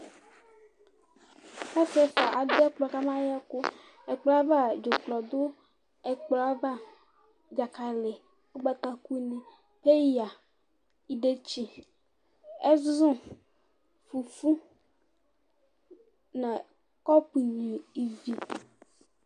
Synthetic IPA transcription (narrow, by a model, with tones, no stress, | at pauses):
a˦se˨fa˨ʔa˨de˦k͡plɔ˨ka˦mã˦ja˦ko˦ | e˨k͡pla˦va˦˨d͡ʒo˨k͡plɔ˨d̪o˦ | e˨k͡pla˦va˦ | d͡ʒa˨ka˨le˨ | o˦ɡ͡ba˦t̪a˨ku˦nẽ˨ | ɸe˦ja˨ | i˨ɖe˦t͡ɕi˦ | e˦zũ˦ | fu˨fu˦ | nã˨ | kɔ˦pi˨ɲĩ˨i˨vi˦